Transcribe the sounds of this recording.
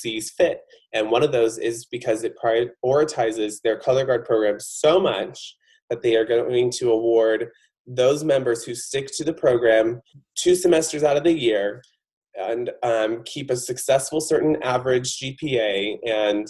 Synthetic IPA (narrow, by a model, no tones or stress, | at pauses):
siz̥fɪt̚ | ɨ̃nwʌ̃ɾ̃ʌvðoʊzɪzbɨkʰʌzɨt̚pʰɹ̥aɪɔɹɨtʰaɪzɪzðə˞kʰʌlˠə˞ɡɑɹd̚pʰɹ̥oʊɡɹæ̃mz̥soʊmʌt͡ʃ | ðɨt̪̚ðeɪə˞ɡoɪ̃ŋtʰɨəwɔɹd̪̚ | ðoʊzmɛ̃mbə˞z̥hʉstɪktʰɨðɨpʰɹ̥oʊɡɹæ̃mtʰʉsɨmɛstə˞zaʊɾʌvðɨjɪɹ | ɨ̃ñkʰipɨsɨksɛsfl̩ˠsɜ˞ʔn̩ævə˞ɪd͡ʒd͡ʒipʰieɪɨ̃n